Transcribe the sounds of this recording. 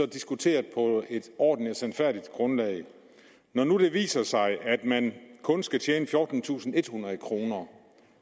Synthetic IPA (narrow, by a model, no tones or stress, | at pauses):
ɒ̽d̥isɡ̥ut͡sʰe̝̰ːɐðˠpʰɒ̽e̝d̥ɒ̰ːd̥n̩æsænfæɐ̰d̥id̥ɡ̥ʁɔ̽nlɛ̰ɪ | nɒnud̥e̝ʋḭːsɐsɑ̈ɪʔæd̥mænkʰɔ̽nsɡ̥æt͡ɕʰeːnəfjɔːd̥n̩t͡sʰṵːsn̩e̝d̥hunʁɐð̩ˠkʰʁo̝ːnɐ